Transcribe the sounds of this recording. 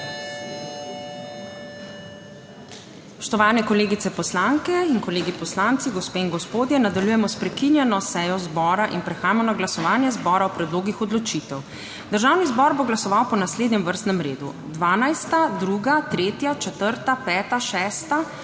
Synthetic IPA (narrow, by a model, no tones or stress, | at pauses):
pɔ̥ʃt̪ɔʋaːnɛkɔleːɡit̪sɛpɔslaŋkɛinkɔleːɡipɔslaːnt̪siɡɔspeːinɡɔspoːd̪jɛnad̪aljujɛmɔspɾɛkinjɛnɔsɛːjɔzbɔːɾaʔinpɾɛxaːjmɛnɔɡlasɔʋaːnjɛzbɔːɾaɔpɾɛd̪loːɡixɔd̪lɔt͡ʃit̪ɛw | d̪əɾʒawnizbɔɾboɡlasɔʋawpɔnasleːd̪nʲɛmʋəɾst̪nɛmɾeːd̪ṵ | d̪ʋaːnajst̪ad̪ɾuɡat̪ɾeːt̪jat͡ʃɛt̪əɾt̪apɛːt̪aʃɛːst̪a